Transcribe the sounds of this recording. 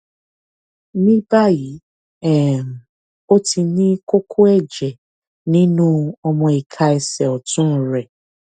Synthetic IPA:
nĩ˦ba˦ji˨ | ɛ˨m̩˨ | o˦ti˧nĩ˦ko˦kʰo˦ɛ˦d͡ʒɛ˨ | nĩ˦nũ˦ɔ˦mɔ̃˨e˨kʰa˦ɛ˨sɛ˨ɔ˨tʊ̃˦n̩˨ɾɛ˨

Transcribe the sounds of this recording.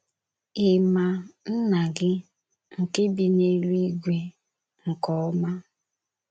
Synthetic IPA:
ɪ˨ma˦n̩˦na˨ɡɪ˦ | ŋ̩˨ke˦bi˨ne˦li˦ɡʷe˨ | ŋ̩˨kɔ˨˦ma˦

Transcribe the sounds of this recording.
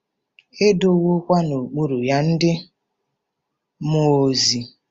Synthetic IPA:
e˦do˦wo˦kʷa˦no˨k͡pu˦ɾu˨ja˦n̩˦dɪ˦ | mo˨o˨zi˨

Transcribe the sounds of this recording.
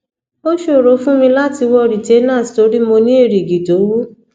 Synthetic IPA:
o˦ʃo˦˨ɾo˨˦fũ˦mĩ˧la˦ti˧wɔ˧ɾi˨te˨˦nãː˦˨sto˧˦ɾi˦mo˧nĩ˦i˦˨ɾi˨ɡi˨to˨˦wu˦

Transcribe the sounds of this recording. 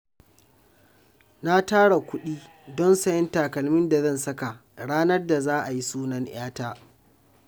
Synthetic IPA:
na˦taː˦ɽa˨kʷʊ˦ɗiː˦ | dɔ˦nsɐ˦jɛ˦ntaː˨kɐ˨lmɪ˦nda˨zɐ˦˨nsɐ˦ka˨ʔɽaː˦nɐ˦rda˨zaː˦ʔa˨ji˦suː˦nɐ˦ŋʔaː˦taː˦

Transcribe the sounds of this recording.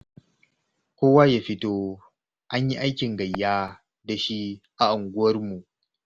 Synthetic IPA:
kʷoː˦waː˦ja˦ɸɪ˦toː˦ | ʔa˦ɲji˦ʔa˦jkʲɪ˨ŋɡɐ˨jːaː˦ | da˨ʃi˦ʔa˨ʔʊ˨ŋɡʷʊ˦wɐ˦rmu˨ʔ

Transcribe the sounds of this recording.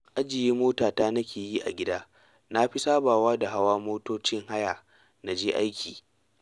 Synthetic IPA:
ʔa˦d͡ʒɪ˨jiː˦moː˦taː˨taː˦nɐ˦kʲeː˨jiː˦ʔa̰˨ɡʲɪ˦daː˦ | na˦ɸi˦saː˦baː˨waː˦da˨ɦa˦waː˦moː˦toː˦t͡ʃɪ˦ŋɦa˦jaː˨ | na˨d͡ʒeː˦ʔa˦jkʲʰiː˨

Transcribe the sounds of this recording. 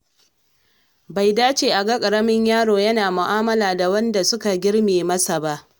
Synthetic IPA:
ba˨jdaː˦t͡ʃeː˨ʔa˨ɡa˦kʼɐ˨ɾɐ˦mɪ˦ɲjaː˦ɽoː˨jɐ˦naː˨mʊ˨ʔaː˦mɐ˦laː˨da˨wɐ˦nda˨sʊ˦ka˨ɡʲɪ˦ɽmeː˨mɐ˦sa˨ba˦ʔ

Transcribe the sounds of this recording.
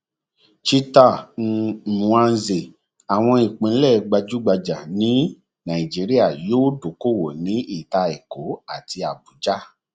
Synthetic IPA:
t͡ʃi˧ta˦˨ | ã˧n̩˧˦ze˨ | a˨w̃ɔ̃˧i˨k͡pĩ˨˦lɛ˦˨˧ɡ͡ba˧d͡ʒu˦ɡ͡ba˧d͡ʒa˨nĩ˨˦ | nã˨i˨d͡ʒi˨˦ɾi˦a˦˨joː˦do˨ko˦˨wo˨nĩ˨˦i˦˨ta˧e˨ko˨˦a˦˨ti˧a˨bu˨˦d͡ʒa˦

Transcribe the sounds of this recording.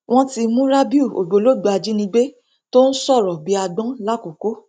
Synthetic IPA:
w̃ɔ̃˦ti˧mũ˦ɾa˦bi˦u˦˨o̰˨ɡ͡bo˨lo˦˨ɡ͡bo˧a˧d͡ʒi˦nĩ˧ɡ͡be˦ | to˦n̩˦sɔ˦˨ɾɔ˨bi˨˦a˧ɡ͡bɔ̃˦la˦ko˨ko˨˦

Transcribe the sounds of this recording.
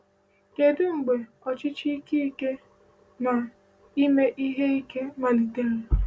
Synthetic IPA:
ke˨dʊ˦ŋ͡m̩˨ɡ͡be˨ | ɔ˨t͡ʃɪ˦t͡ʃi˦i˦ki˦i˦ke˦ | ma˨ | i˦me˦ʔi˦ɦe˦i˦ke˦ma˨li˨te˦le˨

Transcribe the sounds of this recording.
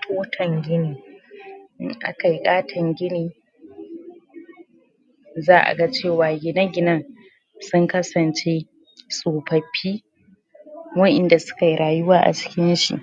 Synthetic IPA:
tʰoː˦tʰɐ˨ŋɡʲɪ˦niː˨ | ʔɪ̰˦ŋʔa̰˦ka˨ji˦kʼaː˦tʰɐ˨ŋɡʲɪ˦niː˨ | zaː˦ʔa̰˨ɡa˦t͡ʃeː˦˨waː˨ɡʲɪ˨nɐ˦ɡʲɪ˨nɐ˦ŋ | sʊ˦ŋkɐ˦sɐ˨nt͡ʃeː˦ | sʼoː˨pɐ˨ɸʰiː˦ | wɐ˦ʔɪ˨nda˨sʊ̥˦ka˨ji˦ɾaː˨jʊ˦waː˦ʔa̰˨t͡ʃɪ̥˦kʲɪ˦nʃḭ˨ʔ

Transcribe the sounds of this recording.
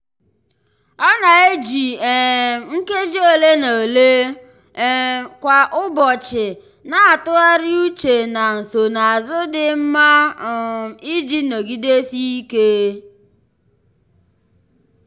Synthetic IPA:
ɔ˦na˨e˦d͡ʒi˨ | ŋ̩˦ke˦d͡ʒe˦o˨le˦no˨le˦ | kʷa˨ʔʊ˦bɔ˨t͡ʃɪ˨ | na˨a˨tʊ˦a˦ɾɪ˦u˦t͡ʃe˨na˨n̩˨so˨na˨a˨zʊ˦dɪ˨m̩˦ma˦˨ | i˦d͡ʒi˦no˨ɡi˦de˦si˦i˦ke˦

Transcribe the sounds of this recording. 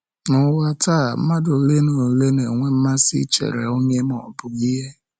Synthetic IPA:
nʊ˨wa˦taː˦˨m̩˦ma˦do˨le˦no˨le˦ne˨ŋʷe˦m̩˦ma˦sḭ˦t͡ʃḛ˨ɾḛ˨o˦ɲe˦m˦ɔ̰˨bʊ˦ɡi˦ɦe˦

